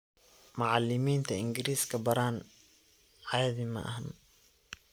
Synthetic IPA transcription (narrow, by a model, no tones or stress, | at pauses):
mʊʕɑlːɪmiːnt̪ʰɐɪŋɡɪɾiːskʰɐbɐɾaːn | ʕɑjɐðɪmɐ̰ʔɐ̰ɦɐn